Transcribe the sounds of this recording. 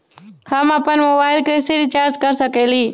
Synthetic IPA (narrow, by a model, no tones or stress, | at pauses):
həmapənmoːbaːɪlkeseɾit͡ʃaːɾd͡ʒkəɾsəkeːliː